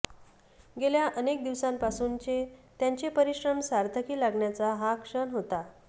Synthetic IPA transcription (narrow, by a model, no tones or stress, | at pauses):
ɡeljaʔənek̚d̪iʋsampasuːnt͡ɕet̪jaɲt͡ɕepəɾiɕɾəmsaɾt̪ʰəkiːlaɡɳjat͡saɦakʂəɳɦot̪a